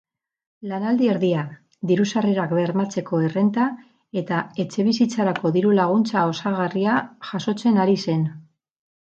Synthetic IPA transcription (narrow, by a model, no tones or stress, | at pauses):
lanald̪ie̞ɾðia | ðiɾusariɾakβe̞ɾmat͡se̞ko̞ere̞nt̪a | e̞t̪ae̞t͡ʃe̞β̞isit͡saɾako̞ðiɾulaɣ̞unt͡sao̞saɣ̞ariaʝaso̞t͡se̞naɾise̞n